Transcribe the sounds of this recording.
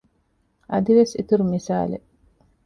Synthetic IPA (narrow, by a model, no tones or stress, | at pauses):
ʔɐd̪iʋesit̪uɾumisa̰ːlḛ